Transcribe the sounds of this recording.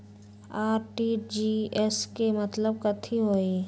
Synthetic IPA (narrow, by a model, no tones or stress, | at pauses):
aːɾʈid͡ʒiɛskemət̪ləb̚kət̪ʰiɦoːi